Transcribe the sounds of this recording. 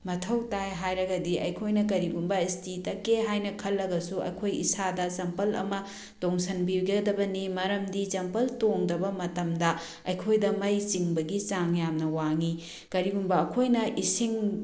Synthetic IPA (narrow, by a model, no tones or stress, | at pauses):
mɐtʰɐwtajɦajɾɐɡɐdiʔɐ̰jkʰojnɐk̬ɐɾiɡumbɐistʰitɐkːeɦajnɐkʰɐlːɐɡɐsuɐ̰jkʰojḭsadɐsɐmpɐlɐ̰mɐ | toŋsɐnbiɡɐdɐbɐnimɐɾɐmdit͡ʃɐmpɐltoŋdɐbɐmɐtɐmdɐ | ɐjkʰojdɐmɐjt͡ʃiŋbɐɡit͡ʃaŋjamnɐwaŋi | kɐɾiɡumbɐːkʰojnɐʔisiŋ